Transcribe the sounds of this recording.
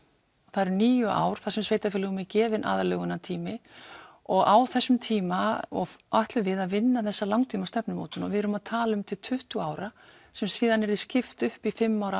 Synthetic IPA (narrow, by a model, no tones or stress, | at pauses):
ɔθaɾʏniːjʏʔa̰ːwɾ̥θasʏmsveːjt̪afɪːlʏɣʏmɪcɛːvɪnʔa̰ðalœɣʏnat̪ʰiːmɪ | ɔɣawθɛsːʏmt̪ʰiːmaɔ̰ɣaht̪lʏvɪðaðvɪnːaθɛsːalawŋt̪ʰiːmast̪ɛpnʏmo̰ːt̪ʏnɔ̰vɪðɛɾʏmaðt̪ʰaːlʏmt̪ʰɪlt̪ʰʏht̪uaːwɾa | sɛmsiːðanɛɾðɪscɪft̪ʏhpifɪmːawɾa